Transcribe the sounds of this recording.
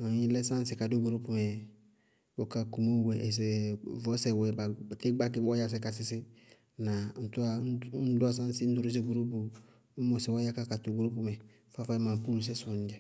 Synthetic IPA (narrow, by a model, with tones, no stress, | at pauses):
a˨ɲi˦lɛ˦sã˦n˦si˨ka˨do˦ɡo˨ɾo˦pu˦mɛ˨ | bo˨ka˨ku˨mo˦˨wɛ˨ʔɛ˨s̬ɛ˨vɔ˨˦sɛ˨wɛ˨ba˨te˦ɡ͡ba˦ki˦ɔ˦ja˨s̬ɛ˦ka˨sɪ˨si˦ | na˨n̩˨tu˦a˨˦n̩˦da˦s̬ã˦n˦si˦n̩˦du˦ɾi˦s̬e˦ɡo˨ɾo˦pu˨˦ | mo˨sɛ˨wa˦ja˦ka˦ka˨to˦˨ɡo˨ɾo˦pu˦mɛ˨ | fa˦fa˦mã˨pu˦lu˨s̬ɛ˦su˨n˦d͡ʒɛ˨